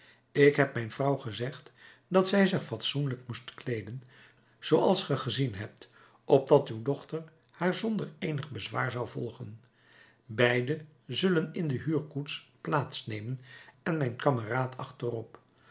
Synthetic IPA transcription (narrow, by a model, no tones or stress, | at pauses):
ɪkɦɛp̚mɛjnvrʌwχəzɛχt | dɑtsɛjzɪχfɑtsunləkmustklejdən | z̥owɑlˠsχəχəzinɦɛp̚t | ɔb̚dɑtywdɔχtəɹ | haːɹzɔndəɹejnəχbəzʋa̰ːɹzɑwvɔlˠχən | bɛjdə | zɵlənɪndəɦyːɹkutsplaːtsnejmənɛnmɛjnkɑməraːtʰɑ̰χtərɔp